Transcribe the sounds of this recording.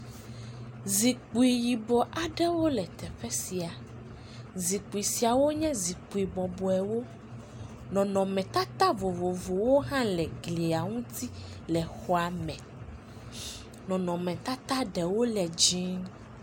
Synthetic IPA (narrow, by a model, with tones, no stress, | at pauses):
zi˨k͡pu˨i˨ji˨bɔ˨ʔa˨ɖɛ˦wo˦lɛ˨t̪ɛ˨ɸɛ˦si˨a˨ | zi˨k͡pu˨i˨si˨a˨wo˦ɲɛ̃˦zi˨k͡pu˨i˨bɔ˨bɔ˨ɛ˨wo˦ | nɔ̃˨nɔ̃˨mɛ̃˨t̪a˦t̪a˦vo˨vo˨vo˨wo˦ɦã˦lɛ˨ɡli˨a˨ŋũ˦t̪ʰi˦ | lɛ˨xɔ˨a˨mɛ̃˨ | nɔ̃˨nɔ̃˨mɛ̃˨t̪a˦t̪a˦ɖɛ˨wo˦lɛ˨d͡ʒĩ˦n